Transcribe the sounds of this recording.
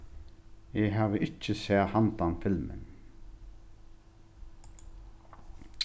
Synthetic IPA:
ɛɦaːʋəʔɪt͡ʃːɪsɛːhant̪anfɪlmɪ̰n

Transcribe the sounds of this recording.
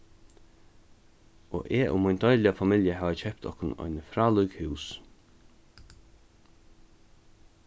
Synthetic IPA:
ʔɔ̰ʔɛːʔʊ̰mʊjnt̪ɔjlɪafamɪljəɦaːʋacʰɛp̚t̪ʰɔ̰hkʊnɔ̰jnfɾaːlukhʉws

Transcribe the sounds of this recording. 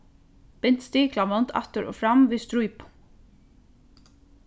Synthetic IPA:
pɪn̥t̪st̪iːklamɔnt̪ʰɛ̰ht̪əɾʔɔ̰ːfɾamviːðst̪ɾujp

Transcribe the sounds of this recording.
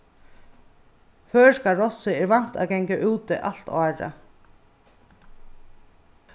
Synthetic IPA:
fœːskaɾɔsɪɛɾvan̥t̪a̰ðkɛŋkaʔuːt̪ɪʔa̰l̥t̪aːɾa̰

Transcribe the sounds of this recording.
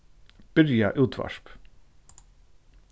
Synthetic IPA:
b̥ʏɾjɑʔʉːt̪ʰʋɑ̰ʃp

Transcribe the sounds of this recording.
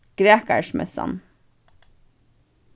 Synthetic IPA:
ɡ̥ɾeːkəʃmɛ̰sɑ̰n

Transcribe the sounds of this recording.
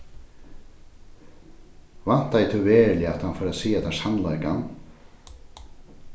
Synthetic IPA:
van̥t̪ajt̪ʰʉveːlɪat̪hanfɔːɾasiːat̪ʰasanlaka̰n

